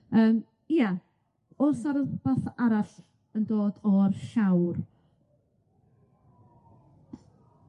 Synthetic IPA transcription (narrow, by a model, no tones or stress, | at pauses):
əːm | ja | ʊrsaɾəb̥aθaɾaɬ | əndoːdɔrʃawr